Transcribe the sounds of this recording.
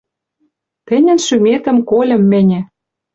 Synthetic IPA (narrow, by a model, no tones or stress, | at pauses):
t̪ɘ̆nʲɘ̆nʃymet̪ə̆mkolʲɤ̆mːɘ̆nʲɘ̆